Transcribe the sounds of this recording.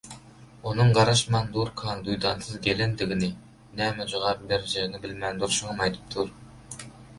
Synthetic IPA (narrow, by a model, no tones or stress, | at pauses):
onɨŋɢɑɾɑʃmɑnd̪uɾkʰɑnd̪ujd̪ɑnsɨzɡʲelɪnd̪ɪɡʲɪnɪ | næmɪʒəʁɑɾd̪æɾɪʒenɪbɪlmɛnd̪uɾʃuŋnɑjt̪ʰɨ̥p̚t̪ʰuɾ